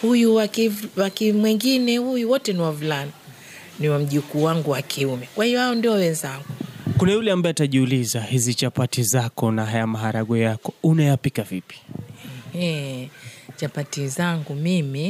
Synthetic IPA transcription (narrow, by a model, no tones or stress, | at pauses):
hujuwawakimwɛŋɡinɛhujuwɔtɛniwavulana | niwam̩ʄikuːwaŋɡuwakʰiumɛkwahiɔhaɔndiɔwɛnzaŋɡukunajulɛambaɛataʄiulizahizit͡ʃapatizakɔnaɦajamaɦaɾaɠɔjakɔunajapikavipi̥ɛh | t͡ʃapatizaŋɡumimi